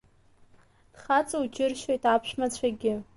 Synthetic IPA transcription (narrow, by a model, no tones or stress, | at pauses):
d̥χat͡sʼoud͡ʒɪrʃojtʼapʰʃᶣmat͡ɕʷʰaɡʲɪ